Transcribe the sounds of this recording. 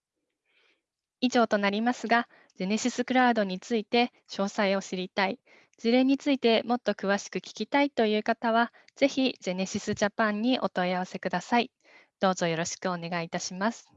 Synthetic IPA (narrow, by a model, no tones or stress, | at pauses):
iʑo̞ːt̪o̞naɾʲimasɨɡa | d͡ʑe̞ne̞ɕisɨkɯ̟ɾaɯd̪o̞ɲ̟it͡sɨit̪e̞ | ɕo̞ːsaio̞ɕiɾʲit̪ai | d͡ʑiɾẽ̞ɲ̟ːit͡sɨit̪e̞mo̞t̪ːo̞kɯ̟β̞aɕi̥kɯ̟kʲi̥kʲit̪ait̪o̞jɯ̟ːkat̪aβ̞a | z̥e̞çid͡ʑe̞ne̞ɕisɨʑapãɲ̟ːiʔo̞t̪o̞iaβ̞ase̞kɯ̟d̪asai | d̪̥o̞ːzo̞jo̞ɾo̞ɕi̥kɯo̞ne̞ɡait̪aɕimasɨ̥